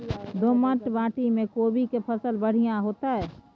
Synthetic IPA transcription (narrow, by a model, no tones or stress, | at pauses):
d̪oːmə̃ʈbãːʈimẽkoːbikepʰəsəlbəɽ̤ijãɦoːt̪aɦɛː